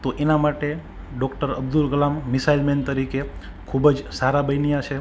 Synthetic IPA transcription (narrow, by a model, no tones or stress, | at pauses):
t̪oʔenamaʈe | ɖɔkʈəɾəb̚d̪ulkəlamːisailment̪əɾike | kʰubəd͡ʒsaɾabəjnijat͡ʃʰe